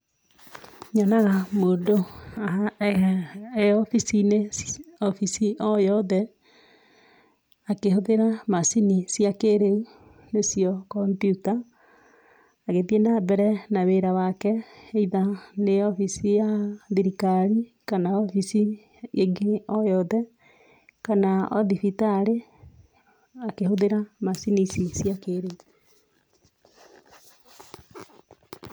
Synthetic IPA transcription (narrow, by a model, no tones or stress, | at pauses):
ɲɔnaɣamoːndoaɦa | eɔfisineɔfisiɔjɔðɛ | akehoðeɾamasinisjakeɾeu | nesijɔkɔmbjuta | ɣeðienabɛɾɛnaweɾawakɛeiðaneɔfisijaðiɾikaɾikanaɔfisi | eŋɡeɔjɔðɛ | kanaɔ̰ðifitaɾe | akehoðeɾamasinisisjakeːɾeu